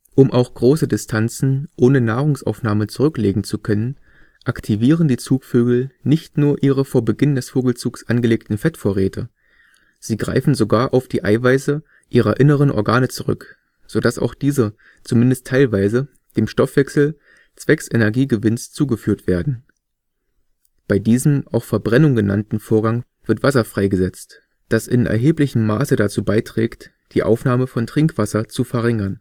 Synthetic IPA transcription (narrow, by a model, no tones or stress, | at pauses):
ʔʊmʔaʊxɡ̥ʁoːsədɪstʰant͡sn̩ʔoːnənaːʁʊŋsʔa̰ʊfnaːmənt͡suʁʏkleːɡŋ̩t͡sukʰœnən | ʔaktʰiviːʁəndiːt͡suːkføːɡl̩nɪçtnuːɐʔiːʁəfoːɐbəɡɪndɛsfoːɡl̩t͡suːksʔanɡəleːk̚tn̩fɛtfoːɐʁɛːtʰə | z̥iːɡʁa̰ɪfn̩zoɡaːɐʔaʊfd̥iːʔa̰ɪvaɪzə | ʔiːʁɐʔɪnəʁənʔɔ̰ɐɡaːnət͡suʁʏ̰k | z̥oːdasa̰ʊxd̥iːzə | t͡sumɪndəstʰːaɪlvaɪzə | d̥eːmʃtɔfv̥ɛksl̩ | t͡sv̥ɛksʔenɛɐɡiːɡəvɪnst͡suːɡəfyːɐtv̥eːɐdn̩ | b̥aɪdiːzəm̩ʔa̰ʊxfɛɐbʁɛnʊŋɡəna̰ntn̩foːɐɡaŋ | v̥ɪɐtv̥asɐfʁ̥aɪɡəzɛt͡st | d̥asɪnʔɛ̰ɐɦeːplɪçəm̩ːa̰ːsədat͡suːbaɪtʁ̥ɛ̰ːkt | d̥iːʔa̰ʊfnaːməfɔntʁ̥ɪŋkv̥asɐt͡sufɛɐʁɪŋɐn